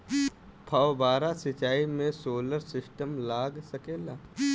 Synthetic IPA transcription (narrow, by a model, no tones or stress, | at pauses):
pʰawbaːɾasɪt͡ʃaːimẽsoːləɾsɪsʈəmlaːɡsəkeːlaː